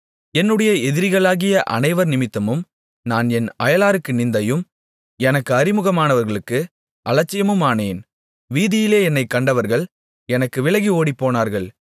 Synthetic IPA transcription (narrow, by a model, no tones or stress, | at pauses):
ɛnːɯɽɐjɐɛðɪɾɪɣɐɭaːɣɪjɐʔɐ̰nɐɪʋɐɾnɪmɪt̪ːɐmɯm | naːnɛnɐjɐlaːɾɯkːɯnɪnd̪ɐjɯm | ɛnɐkːɯɐɾɪmɯɣɐmaːnɐʋɐɾɣɐɭɯkːɯ | ʔɐlɐt͡ʃːɪjɐmɯmaːneːn | ʋiːðɪjɪleːɛnːɐɪkːɐɳɖɐʋɐɾɣɐɭ | ɛnɐkːɯʋɪɭɐɣioːɽipːoːnaːɾɣɐɭ